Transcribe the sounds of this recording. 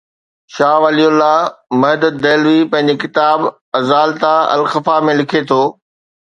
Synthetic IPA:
ʃaːʋəliɦʊlːamɐɦd̪ət̪̚d̪eːlʋipɐ̃ɦɪ̃ɲ̆d͡ʑekɪt̪aːb | ɐzaːlt̪aɐ̰lxɐfamẽlɪkʰet̪ʰoː

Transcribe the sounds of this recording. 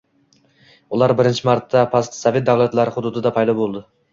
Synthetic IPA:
ʊlˠaɾbɪɾɪnt͡ʃʰɪmaɾt̪ʰːapʰast̪savʲet̪̚d̪awlˠat̪laɾɪχʊd̪ʊd̪ɪd̪apʰajd̪ɒbolˠd̪ɪ

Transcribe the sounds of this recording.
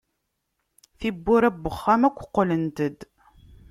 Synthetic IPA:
θibːʊɾæbːəχːæmækʷːqːlənt̪əd̪

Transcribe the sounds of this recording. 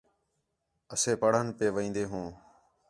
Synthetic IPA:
əseːpəɽ̤ənpeːʋəĩːnd̪eːɦũː

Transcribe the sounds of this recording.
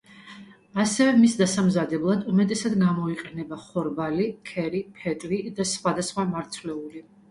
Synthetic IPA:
asɛvɛmisd̪asamzad̪ɛblˠad̪umɛt̪ʼɛsad̪ɡamɔiqʼɛnɛbaχɔɾbalikʰɛɾipʰɛt̪ʼlid̪asχwad̪asχwamaɾt̪sʰlɛuli

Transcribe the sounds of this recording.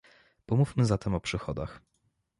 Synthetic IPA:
pɔmufmɘzat̪ɛmɔpʂɘxɔd̪a̰x

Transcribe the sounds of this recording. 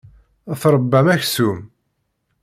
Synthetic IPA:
θɾˤəbːæmæçsum

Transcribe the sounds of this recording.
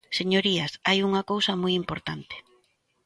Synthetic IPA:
seɲoɾiasajuŋɐkowsɐmujimpoɾt̪ant̪e̥

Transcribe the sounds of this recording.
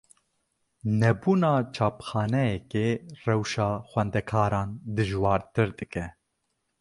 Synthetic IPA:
nɛbuːnɑːt͡ʃʰɑːpxɑːnɛjɛkeːrɛwʃɑːxʷɛnd̪ɛkʰɑːɾɑːnd̪ɨʒwɑːɾt̪ɨɾd̪ɨkɛ

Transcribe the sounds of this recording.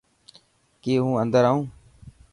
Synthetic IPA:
keːɦũːənd̪əɾaːũː

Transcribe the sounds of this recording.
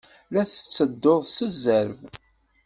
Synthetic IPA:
læθə̥t͡sːəd̪ːoðˤsəzːəɾv

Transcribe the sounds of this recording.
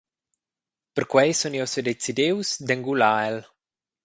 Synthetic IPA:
pəɾkwɛjsunewsed̪et͡sid̪ewsd̪eŋɡulael

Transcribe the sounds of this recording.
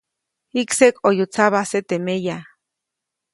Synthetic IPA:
iksekʼojut͡saβaset̪emeja

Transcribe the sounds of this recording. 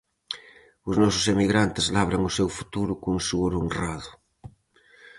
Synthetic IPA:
ʊznɔsʊ̥semiɣɾant̪ezlaβɾaŋʊsewfu̥t̪uɾʊkosuɣoɾonraðʊ

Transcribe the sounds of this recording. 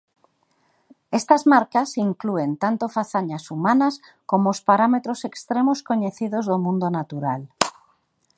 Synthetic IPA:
est̪azmaɾkasiŋklue̞nt̪ant̪ofaθaɲasumãnas | komoospaɾamet̪ɾosekst̪ɾemoskoɲeθiðozðomũnd̪onat̪uɾal

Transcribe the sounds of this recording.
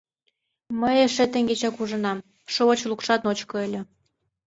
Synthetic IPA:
məjeʃĕt̪ĕŋɡet͡ɕɑkuʒɤ̆nɑm | ʃoŏt͡ɕlukʂɑt̪not͡ɕkŏelʲĕ

